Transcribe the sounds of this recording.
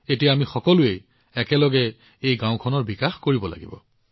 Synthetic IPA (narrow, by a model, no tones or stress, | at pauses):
etijaamixɔkɔlʊej | ɛkɛlɔɡɛ | ejɡãʊ̃kʰɔnɔɹbikaxkoɹibɔla̰ɡḭbɔ̰